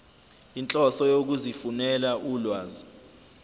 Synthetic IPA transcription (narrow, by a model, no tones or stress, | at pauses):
int͡ɬʼɔsɔjok̬uzifunɛlaʔuːlwaːzi